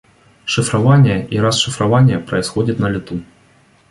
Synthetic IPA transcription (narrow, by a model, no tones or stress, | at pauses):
ʂɨfɾavanʲːɛʔiɾasʂɨfɾavanʲːɐpɾɐjsxɔd͡zʲitʲnɐlʲit̪u